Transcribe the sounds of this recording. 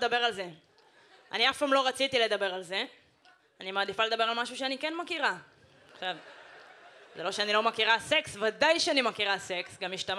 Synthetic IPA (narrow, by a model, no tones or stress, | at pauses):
dabe̞ʁalze̞ | a̰niafpamlo̞ʁat͡sit̪ile̞d̪abe̞ʁalze̞ | animad̪ifaled̪abe̞ʁalmaʃuʃeanikenmakiʁa | aχʃav | zelo̞ʃeanilo̞makiʁaseksvad̪ajʃeanimakiʁase̞ksɡamjiʃt̪am